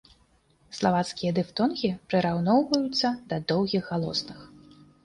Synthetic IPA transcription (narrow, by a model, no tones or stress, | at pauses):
slˠavat̪skʲijɐd̪ɨft̪ɔnɣʲipɾɨɾawnɔwvɐjut̪sːɐd̪ɐd̪ɔwɣʲiɣːalˠɔ̰snɨx